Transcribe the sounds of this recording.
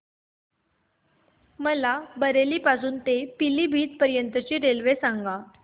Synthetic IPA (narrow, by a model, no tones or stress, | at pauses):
məlabəɾeliːpasuːnt̪epiliːbʱiːt̪̚pəɾjənt̪ət͡ɕiːɾelʋesãŋɡa